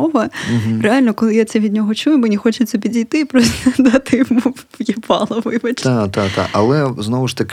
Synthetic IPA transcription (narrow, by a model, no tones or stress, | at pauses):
ɔʋɐɦɾɪalʲnɔkɔlˠɪjat̪sɛʋʲid̪̚ʲnʲɔɦɔt͡ʃujʊmɪnʲixɔt͡ʃʊt̪sʲɛpʲidʲijt̪ɪpɾɔst̪ɐd̪ɐt̪ɪmujɛpɑ̰lˠɔʋɪjbɐt͡ʃt̪at̪at̪a̰ʔɐ̰lˠɛznɔʋʊʃt̪ɐk